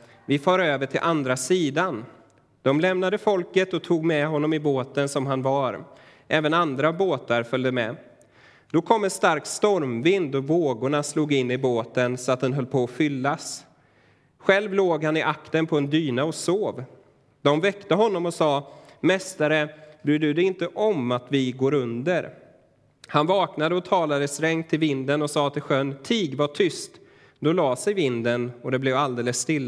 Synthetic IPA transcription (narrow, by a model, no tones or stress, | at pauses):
vɪfɑːɾøːvəʈʰɪlʔand̪ɾasiːd̪an | d̪̥ɔmlɛmnad̪əfɔlkət̪ɔt̪ʰuːɡmɛɦɔnːɔmɪboːt̪ənsɔmɦanvaɾ | ʔɛːvənand̪ɾaboːt̪aɾfœld̪əmɛ | d̪̥ɔkʰɔmːɛnst̪aɾkst̪ɔɾmvɪnd̪ɔvoːɡʊɳasluːɡɪnːɪboːt̪ənsɔat̪̚d̪ɛnɦœlːpʰɔːfʏlːas | ɧɛlvloːɡhanɪʔakt̪ənpʰɔɛnd̪yːnaɔsoːv | d̪ɔmvɛkt̪əɦɔnːɔmɔsɑːmɛst̪aɾəbɾʉːɖɵd̪ɛɪnt̪əʔɔmat̪vɪɡoːɾɵnd̪əɾ | hanvɑːknad̪əɔt̪ʰɑːlad̪əsɾɛŋt̪ʰːɪlvɪnd̪ənɔsɑːt̪ʰɪlɧœnt̪ʰiːɡvaʈʰʏst̪ | d̪ɔlɑːsɛjvɪnd̪ənɔd̪ɛblɛvald̪eːləsːt̪ɪlː